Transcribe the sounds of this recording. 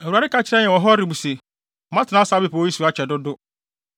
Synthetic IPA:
wu˨a˨ɾɪ˦kʰa˦˨t͡ɕʰɪ˦ɾɛ˦ɲɛ̃˨wɔ˨ɦɔ˦ɾi˨bu˨se˨ | ɔ˨mã˦tɪ˨nã˦saː˨˦be˦˨pʰa˨˦i˦su˨a˨˦t͡ɕʰᶣɛ˨dʊ˦dʊ˦

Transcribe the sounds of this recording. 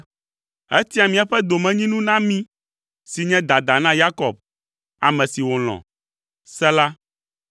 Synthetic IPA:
ɛ˦t̪i˦a˨mĩ˨a˨ɸɛ˦d̪o˨mɛ̃˨ɲĩ˦nũ˦nã˦mĩ˦ | si˨ɲɛ̃˦d̪a˨d̪a˨nã˦ja˦kɔ˨b̚ | a˨mɛ̃˨si˨wo˨l̃ɔ̰̃˨ | sɛ˦la˦

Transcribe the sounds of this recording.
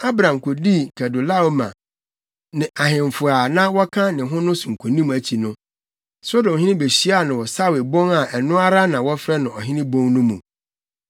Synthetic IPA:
a˦bɾã˨m˨kʰo˨di˦kʰɛ˨do˨la˦˨o˦mã̰˨ | nɪ̃˨ʔa˨ɦɪ̃˨ɱ˨fʊ˨a˨nã˦wɔ˦kʰã˦nɪ̃˨ɦʊ̃˦nʊ̃˦sũ˨ŋ̩˨kʰu˨nĩ˦m̃˨æ˨t͡ɕʰi˨nʊ̃˦ | so˦dõ˨ɦɪ̃˦nɪ̃˦be˨ɕi˦a˦˨nʊ̃˨wɔ˨sa˦wɪ˨bɔ̃˦ŋa˨ʔɛ˨nʊ̃˦a˦ɾa˦nã˨wɔ˦fɾɛ˦nʊ̃˨ɔ˨ɦɪ̃˦nɪ̃˦bɔ̃˦ŋnʊ̃˦mũ˨

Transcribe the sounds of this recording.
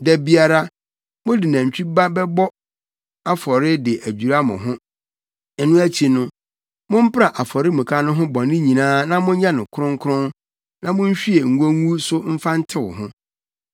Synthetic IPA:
dɛ˨bi˦a˦ɾa˦ | mʊ̃˦dɪ˨nã˨ɲ̩˨t͡ɕᶣi˦ba˦bɛ˦bɔ˦ | a˦fɔ˨ɾɪ˦dɪ˨ʔæ˨d͡ʑᶣu˨ɾa˦mʊ̰̃˨ɦʊ̃˦ | ɛ˨nʊ̃˦æ˦t͡ɕʰi˨nʊ̃˦ | mʊ̃˦m̩˦pɾa˨ʔa˨fɔ˨ɾɪ˦mũ˨kʰa˦nʊ̃˦ɦʊ̃˦bɔ̃˨nɪ̃˦ɲĩ˨nãː˦nã˦mʊ̃˦ɲ̩˦ɲã˦nʊ̃˨kʰʊ˦ʊ̃˦ŋ˦kʰʊ˦ɾʊ̃˦n | nã˦mʊ̃˦ɲ̩˦ɕᶣi˦e˨ŋ̩˨ɡo˦ŋu˦sʊ˦m̩˦fa˦n̩˦tʰɪ˦wʊ̰˨ɦʊ̃˦

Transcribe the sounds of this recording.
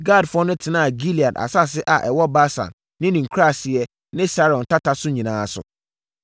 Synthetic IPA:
ɡa˦˨dfʊ˦ɔ˦nʊ̃˦tʰɪ˨nãː˦a˨ɡi˦li˨a˨da̰˨sa˦˨sɪ˦ʔa̰˨ʔɛ˨wɔ˦ba˦sã̰˨nː | ɪ̃˦nĩ˨ŋ̩˨kʰu˦ɾa˦˨sɪ˨ɛ˦ | nɪ̃˦sa˦ɾɔ̃˨n˨tʰa˦tʰa˦sʊ˦ɲĩ˨nãː˦˨sʊ̰˨

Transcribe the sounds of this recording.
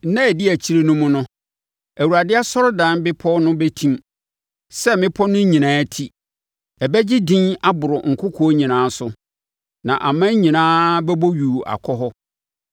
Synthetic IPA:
nã˦ɛ˨dɪ˦æ˨t͡ɕʰi˦ɾe˦nʊ̃˦mʊ̃˦nʊ̃˦ | æ˨wu˨ɾa˨dɪ˦a˦sɔ˦ɾdã˨˦nbɪ˦pʰɔ˦nʊ̃˦bɛ˦tʰĩ˦m | sɛ˦mɪ̃˦pʰɔ˦nʊ̃˦ɲĩ˨nãː˨˦tʰi˦ | ɛ˨bɛ˦d͡ʑɪ˦dĩ˦na˦bʊ˨ɾʊ˨ŋ̩˨kʰʊ˦kʰɔ˨˦ɲĩ˨nãː˨˦sʊ˦ | nã˨ʔa̰˨mã˦ɲĩ˨nãː˦bɛ˦bo˦ɥu˨a̰˨kʰɔ˦ɦɔ˦

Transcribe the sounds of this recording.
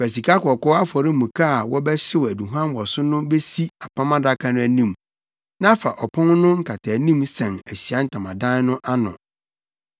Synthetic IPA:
fæ˨s̬i˨kʰa˦kɔ˨kɔ˦a˦fɔ˨ɾɪ˦mũ˨kʰa˦a˨wɔ˦bɛ˦ɕɪ˦wæ˨du˨ɦuã˦mwɔ˨sʊ˦nʊ̃˦be˦si˦a˨pʰã˦mã˦da˦kʰa˦nʊ̃˦æ˦nĩ˦˨m | nã˦fa˨ʔɔ˨pʰʊ̃˦nnʊ̃˦ŋ̩˦kʰa˨tʰa˨nĩ˦msɛ̃˨næ˨ɕi˨a˦n̩˦tʰã˨mã˨dã˦nʊ̃˦ʔa˦nɔ̰̃˨

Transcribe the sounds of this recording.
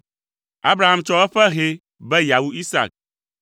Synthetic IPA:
a˦bɾa˨ɦa˦mt͡ʃɔ˦ɛ˦ɸɛ˦ɦe˨ | bɛ˦ja˨wu˦i˦sa̰˨k̚

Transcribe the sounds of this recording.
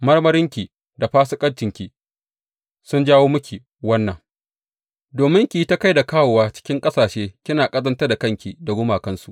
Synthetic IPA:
mɐ˦rmɐ˦ɾɪ˦ŋkʲi˨ | da˨ɸaː˦sʊ˦kʼɐ˦ɽt͡ʃɪ˨ŋkʲi˨ | sʊ˦nd͡ʒaː˦woː˦mʊ˦kʲi˨ | wɐ˦nːɐ˨ŋ | doː˨mɪ˦ŋkʲi˨i˦ta˦ka˦jda˨kaː˦wo˨waː˦t͡ʃɪ̥˦kʲɪ˦ŋkʼɐ˦saː˨ʃeː˦kʲɪ˦naː˨kʼɐ˦zɐ˦ntɐ˦da˨kɐ˦ŋkʲi˨da˨ɡʊ˦maː˨kɐ˦nsṵ˨ʔ

